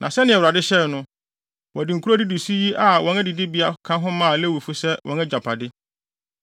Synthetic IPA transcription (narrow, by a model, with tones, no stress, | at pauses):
nʔã˨sɛ˦nɪ̃˦ɛ˨wʊ˨ɾa˨dɪ˦ɕɛ˦˨nʊ̃˦ | wɔ˨dɪ˨ŋ̩˨kʰu˦ɾo˦di˦du˨si˦ji˦ʔa˨wɔ̃˨nɛ̃˦dɪ˨dɪ˦bi˨˦a˦kʰã˦ɦʊ̃˦mã˦˨le˦˨wi˨fu˦sɛ˦wʔɔ̰̃˨˦nɛ˦d͡ʑa˨pʰa˨dɪ˦